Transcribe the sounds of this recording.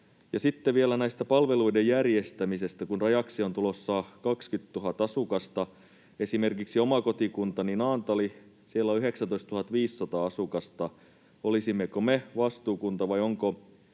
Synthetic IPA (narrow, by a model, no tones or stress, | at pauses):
jɑsit̪ːeʋielænæist̪æpɑlʋe̞luidejjærjest̪æmise̞st̪ækunrɑjɑksio̞nt̪ulosːɑkɑkskyt̪tuɦɑt̪ɑsukɑst̪ɑ | e̞simerkiksiomɑko̞t̪ikunt̪ɑninɑːnt̪ɑli | sielːoyɦeksænt̪o̞ist̪uhɑt̪ʋiːsːɑt̪ɑːɑsukɑst̪ɑ | olisimːekomeʋɑst̪uːkunt̪ɑʋɑjoŋko